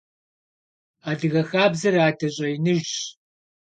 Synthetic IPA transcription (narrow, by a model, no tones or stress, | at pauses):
aːdɨɣɐxaːbzɐɾaːtʰɐɕʼɐjɪnɨʒ